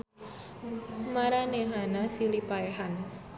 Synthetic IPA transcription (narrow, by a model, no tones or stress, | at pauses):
maɾaneɦanasilipaeɦan